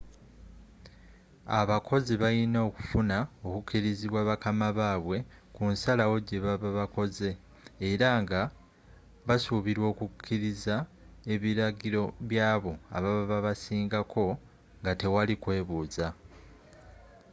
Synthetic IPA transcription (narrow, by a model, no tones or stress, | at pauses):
aβakʰo̞ziβajinoːku̥funao̞kukːiɾiziβwaːβakamaβaːβwe̞ | kunsalawo̞ɟe̞βaβaβako̞ze̞ː | ɾaŋɡa | βasuβiɾwo̞ːkukʰːiɾiza | e̞βiɾaɡiɾo̞βjaːβo̞a̰βaβaβaβasiːŋɡakʰo̞ | ŋɡate̞walikwe̞ːβuːza